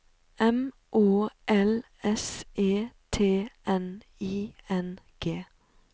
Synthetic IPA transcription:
ɛm | ʔoːʔɛl | ɛsʔeːt̪ʰeːʔɛn | iːɛn | ɡ̥eː

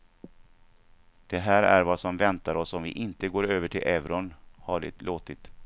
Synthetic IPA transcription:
d̪̥ɛɦæːɾæ̰ɾvasɔmvɛnt̪aɾɔsɔmvɪ̰ʔɪnt̪əɡoːɾøːvəʈʰɪlʔɛvɾɔnhaɖɪ̰t̪lʔoːt̪ɪt̪

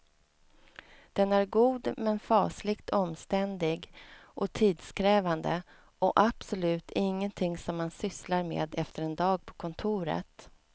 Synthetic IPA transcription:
d̪̥ɛnæɾɡuːd̪mɛnfɑːslɪkt̪ʰɔmst̪ɛnd̪ɪɡʔɔt̪ʰiːd̪skʰɾɛːvand̪ə̰ | ʔɔʔapsɔlʉ̟ːt̪ʰɪŋːənt̪ʰɪŋsɔmːansʏslaɾmḛːd̪ɛft̪əɾɛnd̪ɑːɡ̚pʰɔ̥kʰɔnt̪ʰuːɾə̰t̪

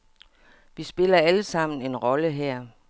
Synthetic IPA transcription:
ʋisb̥e̝lɐæləsɑ̈m̰n̩e̝nʁɒ̽ləɦɛɐ̰

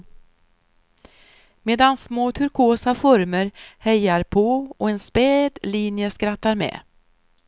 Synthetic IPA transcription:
meːd̪ansmoːt̪ʰɵɾkʰoːsafɔɾməɾhɛjaɾpʰoːɔɛnspeːd̪liːnjəskɾat̪ːaɾmɛ̰ː

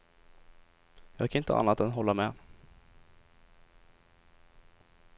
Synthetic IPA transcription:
jɑːɡkʰanɪnt̪ə̰ʔa̰nːat̪ɛnɦɔlːamɛː

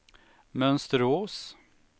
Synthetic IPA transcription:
mœnst̪əɾoːs

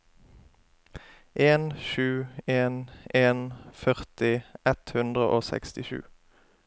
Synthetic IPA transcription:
ʔeːnʃʉːeːnʔeːnfœʁt̪ɪɛt̪hʉnd̪ʁəʔoːsɛ̰kst̪ɪʃʉ̰ː

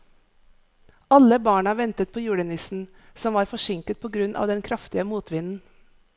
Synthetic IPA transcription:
ɑləbɑːɳɑʋɛnt̪ət̪̚pʰoːjuːɽɛnɪsn̩ | sɔmʋɑːɾfɔʃɪŋkət̪̚pʰoːɡɾʉnʔɑ̰ːʋd̪ɛnkʰɾɑft̪ɪəmuːt̪ʋɪnn̩

